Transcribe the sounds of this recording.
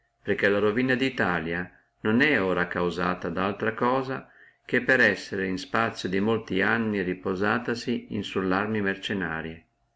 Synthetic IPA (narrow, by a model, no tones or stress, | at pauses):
perkelaɾovinad̪it̪aːlja | nonɛoːɾakawzaːt̪ad̪alt̪ɾakɔːza | k̟epːeɾɛsːeɾeinspat̪sːjod̪imolt̪ianːiripozaːt̪asiinsulːarmimert͡ʃena̰ːɾje